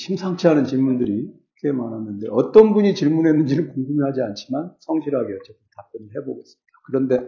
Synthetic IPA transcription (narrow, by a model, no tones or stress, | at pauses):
ɕʰimsʰaŋt͡ɕʰiɦanɯnt͡ɕiɭmundɯɾi | ke̞manɦanːɯnde̞ʌt͈ʌnbuɲit͡ɕiɭmunɦe̞nɯnd͡ʑinɯnkuŋɡumiɦad͡ʑiant͡ɕʰimansʰʌŋɕʰiɾɦaɡeʌt͡ɕ͈et͈ɯntap͈unɯɭɦe̞boɡes͈ɯɲid̥ḁkɯɾʌnde̞